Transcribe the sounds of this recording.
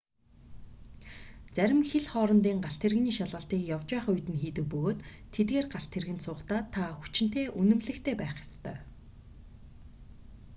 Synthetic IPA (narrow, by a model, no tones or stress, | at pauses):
t͡sæɾʲɪ̆mxeɮχɔːɾɞ̆nt̪̬iːŋɢaɬt̪ʰerɣniːʃaɮʁə̆ɬt̪iːkjawt͡ɕæːχʊjt̪ɘ̆nxiːt̪ɘ̆k̚pɵɣoːt̪ʰːet̪ɡeːrɢaɬt̪ʰerɣɘ̆nt̪sʊːχt̪aːt̪ʰːaxu̥t͡ɕɪ̆n̥t̪eːʔunɘ̆mɮɘ̆kt̪ʰeːpæːχjḁst̪ʰœ̰ː